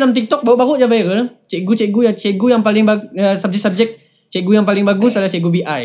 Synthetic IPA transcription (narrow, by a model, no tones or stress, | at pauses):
lamt̪ik̚t̪ɔk̚baɣʊʔbaɣʊʔd͡ʒavajɾəlt͡ʃɛʔɡut͡ʃɛʔɡujaŋt͡ʃɛɡujaŋpalɪŋbaəsab̚d͡ʒɛsab̚d͡ʒɛk̚ | t͡ʃɛʔɡujaŋpalɪŋbaɡusaalaht͡ʃɛɡubiʔaj